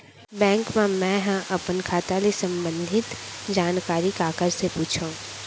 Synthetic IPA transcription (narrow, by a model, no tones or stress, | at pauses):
bɛ̃ːŋkmẽmɛ̃ɦə̃ʔɐpənkʰaːt̪alesə̃mbə̃nd̪ʱɪt̪d͡ʒaːnkaːɾikaːkəɾsepuːt͡ʃʰõ